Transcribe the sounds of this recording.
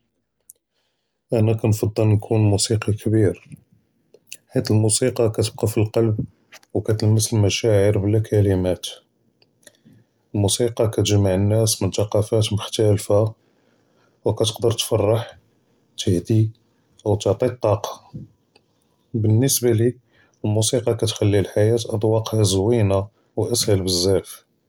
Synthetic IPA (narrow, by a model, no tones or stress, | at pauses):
ʔænækænfɑd̪ˤːɑlnkʰunmusiqikʰbiɾ | ħit̪əlmusiqɑkæt̪əb̚qɑfilqɑlb̚ | wkæt̪ləmːəsəlmæʃæʕəɾbəlːækʰælimæt̪ | əlmusiqɑkæt̪ʒmːaʕənːæsmənt̪ɑqɑfæt̪mʊħt̪ælfa | wkæt̪ə̥qd̪əɾt̪fɑrˤːɑħ | t̪ʰəhd̪i | ʔwt̪oʕt̪ˤit̪ˤːɑqɑ̥ | bənːəsbali | əlmusiqɑkæt̪xælːilħajæt̪ʔɑd̪ˤwɑqhæzwina | wʔəshəlbəzːæf